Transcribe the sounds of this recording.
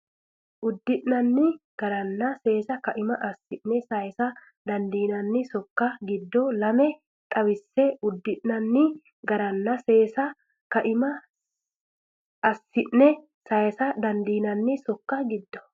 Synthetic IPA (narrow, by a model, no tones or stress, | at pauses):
ʔʊd̪ːɪʔnɐnːɪɡ̥ɐɾɐnːɐse̞ːsɐkɐʔɪmɐʔɐsːɪʔnɛsɐjsɐ | d̪ɐnd̪iːnɐnːɪsɔkːɐɡɪd̪ːɔlɐmɛ | t̪ʼɐwɪsːɛʊd̪ːɪʔnɐnːɪ | ɡɐɾɐnːɐse̞ːsɐ | kɐʔɪmɐ | ɐsːɪʔnɛ | sɐjsɐd̪ɐnd̪iːnɐnːɪsɔkːɐɡɪd̪ːɔ̥